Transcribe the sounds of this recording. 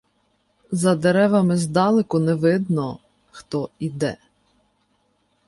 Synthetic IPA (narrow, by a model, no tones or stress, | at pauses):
zɐd̪eɾɛʋɐmɪzd̪ɑlˠɪkʊnɛʋɪd̪nɔ | xt̪ɔid̪ɛ̰